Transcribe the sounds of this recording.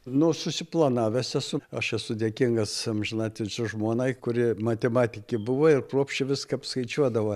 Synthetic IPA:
nʊsʊsʲɪplˠɐnɑːʋʲɛsɛsʊɐʃɛsʊd̪ʲeɛkʲiŋɡɐsmʒʲɪnɑːt̪ʲɪt͡ʃʲʊʒmuːnɐɪkʊɾʲɪmɐt̪ʲɛmɑːt̪ʲɪkʲɪbʊʋɐɪrkruɔpʲʃʲt͡ʃʲɪʋʲɪskɐːpskɐɪt͡ʃʲuɔd̪ɐʋɐ

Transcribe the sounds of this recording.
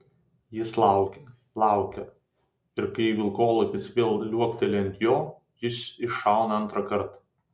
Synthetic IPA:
jɪslˠɑʊkʲɛ | lˠɑˑʊkʲɛ | ɪɾkɐɪʋʲɪlˠkoːlˠɐkʲɪsʋʲeːlˠlʲuɔkʲt̪ʲɛlʲɛɐnʲt̪ʲjoː | jɪsɪʃɑˑʊnɐɐnt̪ɾɐkɐɾt̪

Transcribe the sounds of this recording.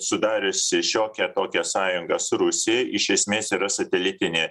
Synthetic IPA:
sʊd̪ɑːɾʲʊsʲɪʃʲoːkʲɛt̪oːkʲɛsɑːjʊŋɡɐsʊɾʊsʲɪɛɪʃʲɛsʲmʲeːsiːɾɐsɐt̪ʲɛlʲɪt̪ʲɪnʲeː

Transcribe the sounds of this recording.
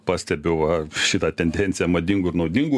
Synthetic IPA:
pɑːsʲt̪ʲɛbʲɛʊʋɐʃʲɪt̪ɑːt̪ʲɛnʲd̪ʲɛnʲsʲɪjɛmɐd̪ʲiŋɡʊːɪɾnɐʊd̪ʲiŋɡu

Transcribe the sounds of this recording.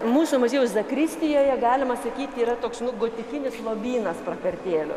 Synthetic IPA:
muːsʊmɐzʲiːɛjʊszɐkɾʲɪsʲt̪ʲɪjoːjɛɡɑːlʲɪmɐsɐkʲiːt̪ʲiːɾɐt̪oːksnʊɡoːt̪ʲɪfʲɪnʲɪslˠoːbʲiːnɐsprɐkɐrʲt̪ʲeːlʲʊ̰

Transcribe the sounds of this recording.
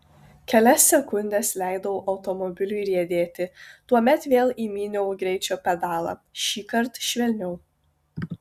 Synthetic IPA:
kʲɛlʲɛsʲːɛkʊnʲd̪ʲɛslʲæɪd̪ɐʋoːʔɐʊt̪ɔmɔbʲɪlʲʊɪɾʲiɛd̪ʲeːt̪ʲɪt̪uɔmʲɛt̪ʋʲeːlˠiːmʲiːnʲɛʊɡɾʲɛɪt͡ʃʲoːpʲɛd̪ɑːlˠɑ̰ːʃʲiːkɐɾt̪ʃʲʋʲɛlʲnʲɛʊ

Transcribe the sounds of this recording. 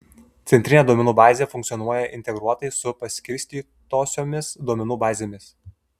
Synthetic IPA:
t̪sʲɛnʲt̪ɾʲɪnʲeːd̪uɔmʲɛnuːbɑːzʲeːfʊŋʲkt̪sʲjɔnuɔjɛʔɪ̰nʲt̪ʲɛɡɾuɔt̪ɐɪsʊpɐsʲkʲɪɾʲsʲt̪ʲiːt̪oːsʲoːmʲɪsd̪uɔmʲɛnuːbɑːzʲeːmʲɪs

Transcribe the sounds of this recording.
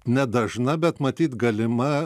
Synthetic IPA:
nʲɛd̪ɐʒnɐbʲɛt̪mɐt̪ʲiːt̪ɡɐlʲɪmɐ

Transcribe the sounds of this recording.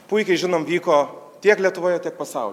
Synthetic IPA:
pʊɪkʲɛɪʒʲɪnoːmʋʲiːkoːt̪ʲiɛklʲiɛt̪ʊʋoːjɛtʲiɛk̚pɐsɐʊlʲ

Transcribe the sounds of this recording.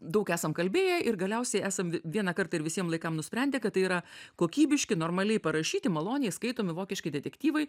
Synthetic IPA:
d̪ɐʊkæːsɐmkɐlʲbʲeːjɛʔɪrɡɐlʲɛʊsʲɛɪæːsɐmʋʲiɛnɐkɐɾt̪ɐɪɾʋʲɪsʲiɛmlˠɐɪkɐmnʊsʲpʲɾʲɛnʲd̪ʲɛkɐt̪ːɐɪiːɾɐkoːkʲiːbʲɪʃʲkʲɪnoːrmɐlʲɛɪpɐɾɐʃʲiːt̪ʲɪmɐlˠoːnʲɪjɛɪskɐɪt̪oːmʲɪʋoːkʲɪʃʲkʲɪd̪ʲɛt̪ʲɛkt̪ʲiːʋɐɪ

